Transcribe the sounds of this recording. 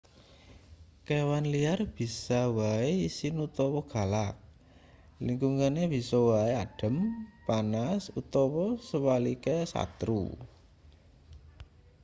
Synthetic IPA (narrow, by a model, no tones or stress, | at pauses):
kewanliarb̥i̤sawaeisinut̪ɔwɔɡ̥a̤lak̚ | liŋɡuŋaneb̥i̤sɔwaeaɖ̥ə̤mpanasut̪ɔwɔsəwalikesa̰t̪ɾṵ